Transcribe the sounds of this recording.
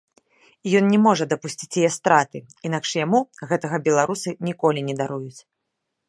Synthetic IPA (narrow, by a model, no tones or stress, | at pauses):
ijɔnnʲɛmɔʐɐd̪ɐpusʲt͡sʲit͡sʲjɛjɛst̪ɾat̪ɨ | inakʂjamuɣɛt̪ɐɣɐbʲɛlˠaɾusɨnʲikɔlʲinʲɛd̪aɾujut͡sʲ